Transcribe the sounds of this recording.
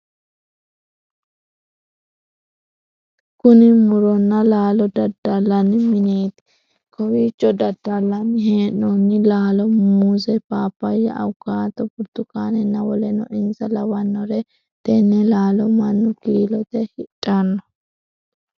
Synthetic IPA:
kʊnɪmʊɾɔnːɐlaːlɔd̪ɐd̪ːɐlːɐnːɪmɪneːt̪ɪ̥ | kɔwiːt͡ʃːɔd̪ɐd̪ːalːɐnːɪheːnːɔnːɪlaːlɔmuzɛpaːpːɐjɛʔɐ̰wkːaːt̪ɔbʊɾt̪ːʊkaːnɛnːɐwɔlɛnɔ̰ʔɪnsɐlɐwɐnːɔɾɛ | t̪ɛnːɛlaːlɔmɐnːʊkiːlɔt̪ɛhɪtʼːɐnːɔ

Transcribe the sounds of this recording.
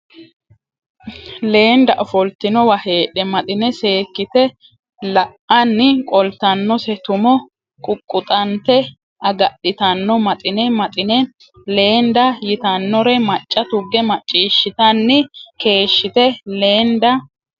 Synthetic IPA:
le̞ːnd̪ɐʔɔfɔlt̪ɪnɔwɐhe̞ːɗɛmɐt̪ʼɪnɛse̞ːkːɪt̪ɛ | lɐʔɐnːɪkʼɔlt̪ːɐnːɔsɛt̪ʊmɔ | kʼʊkʼːʊt̪ʼɐnt̪ɛ | ɐɡɐɗɪt̪ɐnːɔmɐt̪ʼɪnɛmɐt̪ʼɪnɛ | le̞ːnd̪ɐjɪt̪ɐnːɔɾɛmɐt͡ʃʼːɐt̪ʊɡːɛmɐt͡ʃʼːiːʃːɪt̪ɐnːɪke̞ːʃːɪt̪ɛle̞ːnd̪ɐ

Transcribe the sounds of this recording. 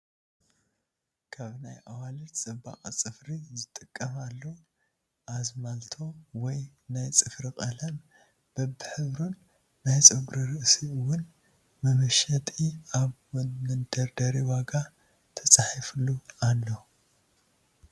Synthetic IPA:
kʰaβnajʔawalit͡sʼɐbːa̰χʼt͡sʼɨfɾizɨt̪ʼɨkʼːɐmalːu | ʔazmalt̪ʰo̞wɔjnajt͡sʼɨfɾikʼɐlɐm | b̥ɐbɨħɨβɾunː | ajt͡sʼɨɡɾiɾɨʔsiɨwʊn | mɐmɐʃɐt̪ʼiaβmɨnd̪ɐɾd̪ɐɾiwaɡa | t̪ʰɐt͡sʼaħiflualːo

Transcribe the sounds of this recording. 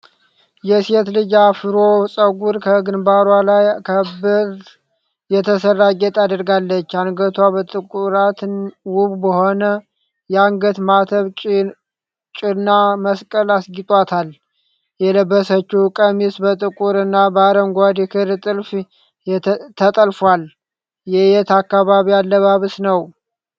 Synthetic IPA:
jɛset̪lɨd͡ʒafɨɾosʼəɡuɾkʰəɡɨnbaɾwalajkʰəbɨɾ | jɛt̪ʰəsəɾaɡɛt̪ʰad̪əɾɡalːət͡ʃːaŋɡət̪ʰwabət̪ʼɨkʼuɾat̪nwuβbəhonə | jɛaŋɡət̪mat̪ʰəβt͡ʃʼ | t͡ʃʼɪnːaməskʼəlasɡit̪ʼwat̪ʰal | jɛləbːəsət͡ʃːukʼəmisbət̪ʼɨkʼuɾɨnːabaɾəmɡʷad̪ikʰɨɾt̪ʼɨlf | t̪ʰət̪ʼəlfal | jɛjɛt̪akːaβaβialːəβaβɨsnəw

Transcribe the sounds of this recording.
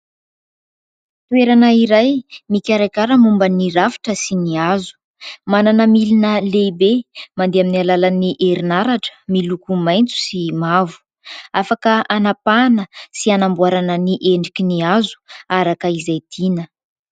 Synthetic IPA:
t̪ueɾanəiɾajmikʲaɾajkaɾəmumbəniɾafi̥ʈ͡ʂəsiniazu̥ | mananəmilinəlebemand̪eaminialalaniʔeɾinaɾaʈ͡ʂə̥milukumajnt͡su̥simavu̥ | afakəanapanəsianambuaɾanəniʔeɳɖ͡ʐikʲiniazu̥aɾakəizajd̪̥inə

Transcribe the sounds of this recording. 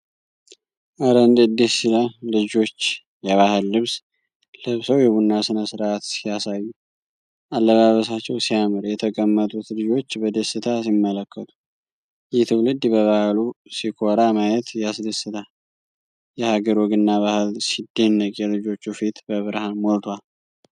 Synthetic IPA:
ʔəɾənd̪ɨd̪ːeiləlɨd͡ʒo̞t͡ʃː | jɛβahɨlːɨβs | lɨβsəwjɛβunːasɨnəsɨɾʔat̪sijasajːu | ʔalːəβaβəs̬at͡ʃːɛwsijamɨɾjɛt̪ʰəkʼəmːət̪ʼut̪lɨd͡ʒo̞t͡ʃːbəd̪əsɨt̪ʰas̬imːələkːət̪ʰu̥ | jɪht̪ʰɨwlɨd̪bəβahlusikʰo̞ɾamajɛt̪jasd̪əsɨt̪ʰa | jɛhaɡəɾwɔɡɨnːaβahɨlsid̪enːəkʼjɛlɨd͡ʒo̞t͡ʃːufit̪bəβɨɾhanmolt̪ʰwal

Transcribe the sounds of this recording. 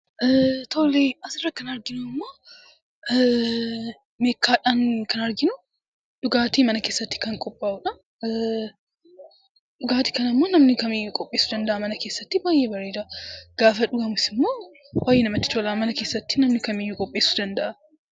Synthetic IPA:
ʔt̪ʰoːleːɐsɪrːɐkːɐnɐɾɡɪnʊɪmːo̞ː | meːkːaːᶑaːnkɐnɐɾɡɪnʊ | d̪̥ʊɡaːt̪iːmɐnɐkeːsːɐt̪ːɪ̥kɐŋkʼɔpʼːaːʔʊᶑɐ | d̪ʊɡaːt̪i̥kɐnɐmːo̞ːnɐmnɪkɐmeːjːʊkʼɔpʼːeːsʊd̪ɐnd̪ɐʔɐmɐnɐke̞ːsːɐt̪ːɪbaːjeːbɐɾeːd̪ɐɡ̥aːfɐᶑʊɡɐmʊsɪmːo̞ː | waːjɛnɐmɐt̪ːɪ̥t̪oːlaːmɐnɐke̞ːsːɐt̪ːɪ̥nɐmnɪkɐmeːjːʊkʼɔpʼːe̞ːsʊd̪ɐnd̪ɐʔɐ

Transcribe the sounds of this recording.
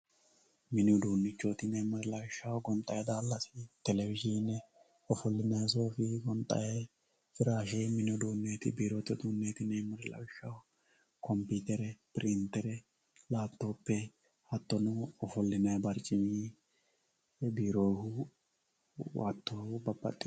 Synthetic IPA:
mɪnʊd̪uːnːɪt͡ʃːot̪ɪnɛmɐɾɪlɐwɪʃːɐwɡɔnt̪ʼɐjɐd̪aːlːɐsɪt̪ɛlɛwɪd͡ʒiːnːɛ | ɔfɔlːɪnɐjs̬oːfɪɡɔnt̪ʼːɐ̰je | fɪɾaːʃemɪnʊd̪uːnːeːt̪ɪ̰biːɾot̪ːɔd̪uːnːeːt̪ɪnɛmɐɾɪlɐ̰wɪʃːɐw | kɔmpiːt̪ɛɾɛpɪɾɪnt̪ːɛɾɛ | laːt̪ːoːpːɛ | hɐt̪ːɔnʊɔfɔlːɪnɐjbɐɾt͡ʃʼːɪɲiː | biːɾoːjhʊ | wa̰ːt̪ːoːhʊbɐbːɐ̰t̪ʼːɪ

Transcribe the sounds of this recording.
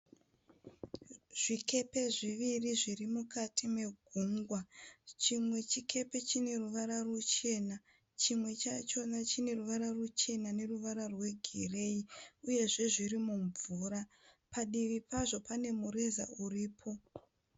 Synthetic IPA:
ʐ̥ike̞pe̞ʐiʋiriʐirimukatʰime̞ɡʱuŋɡwat͡ʃimwe̞t͡ʃikʰe̞pe̞t͡ʃine̞ruʋaɾarut͡ʃe̞na | t͡ʃimwe̞t͡ʃat͡ʃo̞nat͡ʃine̞ruʋaɾarut͡ʃe̞nane̞ruʋaɾarwe̞ɡʱire̞iuje̞ʐe̞ʐirimuɱvuɾa | paɗiʋipaʐo̞pane̞muɾe̞za̰uriːpʰo̞

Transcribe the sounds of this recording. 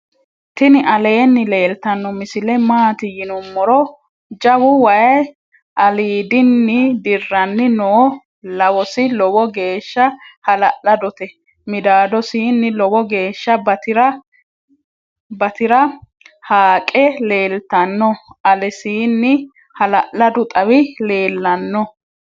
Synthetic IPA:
t̪ɪnɪʔɐleːnːɪleːlt̪ɐnːɔmɪsɪlɛmaːt̪ɪjɪnɔmːɔɾɔ | d͡ʒɐwʊwɐjɐj | ʔɐliːd̪ɪnːɪd̪ɪrːɐnːɪnɔː | lɐwɔsɪlɔwɔɡe̞ːʃːɐhɐlɐʔɐd̪ɔt̪ɛ | mɪd̪aːd̪ɔsiːnːɪlɔbɔɡe̞ːʃːɐbɐɪɾɐ | bɐt̪ɪɾɐ | haːkʼɛleːlt̪ɐnːɔɐlɛsiːnːɪ | hɐlɐʔlɐd̪ʊt̪ʼɐwɪle̞ːlːɐnːɔ

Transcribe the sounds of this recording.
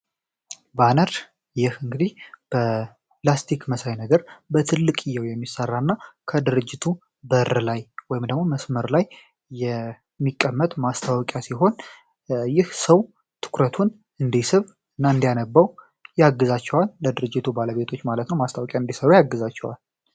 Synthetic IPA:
banəɾ | jɪhɨŋɡɨd̪ihb̥ə | plast̪ʰikməsajnəɡəɾbət̪ʰɨlːɨkʼɪjːəwjɛmːisərːanːakʰəd̪ɨɾɨd͡ʒːɪt̪ʰu | bəɾlajwɔjɪmd̪əɡmo̞məsməɾlajː | ɛ | mːikʼːəmːət̪ʼmast̪ʰawkʼjasiɦo̞n | jɪhsəw | t̪ʰɨ̥kɾət̪ʰun | ɨnd̪isɨβ | ɨnːaɨnd̪ijanəbːaw | jaɡːɨzat͡ʃːɛwalːəd̪ɨɾɨd͡ʒːɪt̪ʰubaləβe̞t̪ʰo̞t͡ʃːmalət̪nəwmast̪ʰawɔkʼjaɨnd̪isəɾujaɡːɨzat͡ʃːɛwa̰l

